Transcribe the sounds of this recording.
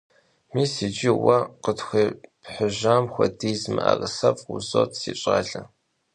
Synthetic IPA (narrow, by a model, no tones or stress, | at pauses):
miːsid͡ʒiwɐqətxʷiːpħʊʑaːmxʷɔdiːzmɨa̰rɨsɐpuzoːtʰsiːɕʼaːɮɐ